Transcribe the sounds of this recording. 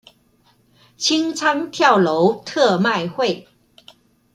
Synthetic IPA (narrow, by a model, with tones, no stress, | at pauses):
t͡ɕʰi˦ŋt͡sʰa˥ŋt̪ʰja˥˨wlo˨˦ʊwt̪ʰɤ˥˧ma˥˨ɪhwe˥˨ɪ